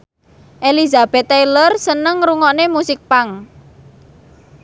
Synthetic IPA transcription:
ʔelizab̥ɛt̪ːajlərsənəŋɾuŋɔnemusɪk̚paŋ

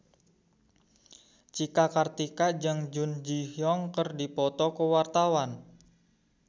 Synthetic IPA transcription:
t͡ʃikakart̪ikad͡ʒəŋd͡ʒʊnd͡ʒihjɔŋkərdipɔt̪ɔkəwart̪awan

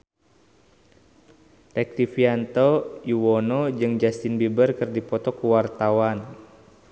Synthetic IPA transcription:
tɛk̚tifiant̪ɔiwɔnɔd͡ʒɨŋd͡ʒast̪inbibərkɨrdipɔt̪ɔkuwart̪awan

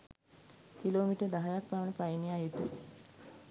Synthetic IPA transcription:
kiloːmiʈəd̪aɦajak̚paʋənəpajiniajut̪u

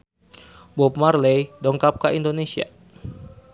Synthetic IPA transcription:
bɔpmarlejdɔŋkap̚kaʔindonesia̰

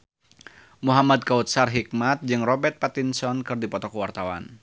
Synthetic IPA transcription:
muɦamad̪̚kaut̪̚sarɦik̚mat̪̚d͡ʒɨŋrɔbɛrt̪̚pat̪insɔnkɨrdipɔt̪ɔkuwart̪awa̰n

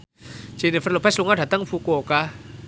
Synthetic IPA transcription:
t͡ɕenefalopʰasloŋatʰat̪aŋfukoka

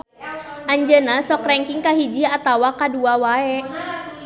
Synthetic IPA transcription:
ʔaɲd͡ʒənasɔkrɛŋkiŋkaɦid͡ʒiat̪awakaduawaɛ

